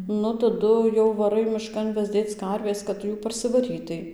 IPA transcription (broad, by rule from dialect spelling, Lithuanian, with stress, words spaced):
ˈnʊ tɐˈdʊ jɛʊ ʋɐˈrɐɪ mʲɪˈʃkɐn ʋʲɛzʲˈdʲeːt͡s ˈkɐrʲʋʲeːs kɐt ˈtʊ ˈjuː pɐrʲsʲɪˈʋɑːrʲiːtɐɪ